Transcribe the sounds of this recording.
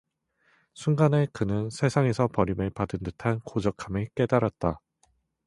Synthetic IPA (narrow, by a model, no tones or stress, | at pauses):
sʰunɡane̞kɯnɯnsʰe̞sʰaŋe̞sʰʌpʌɾimɯɭpadɯndɯtʰankod͡ʑʌkʰamek͈e̞daɾat̚t͈a